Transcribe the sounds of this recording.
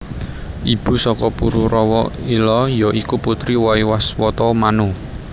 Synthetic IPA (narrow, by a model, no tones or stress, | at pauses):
ʔib̥ṳsɔkɔpuɾuɾɔwɔilɔjɔʔikuput̪ɾiwɔiwaswɔt̪ɔmanu